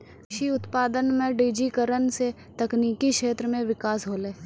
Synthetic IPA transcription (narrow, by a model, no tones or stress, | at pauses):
ʃiʊt̪paːd̪ənmẽɖiːd͡ʒikəɾənse | t̪ɐkniːkikʃeːt̪ɾəmẽʋɪkaːsɦoːleː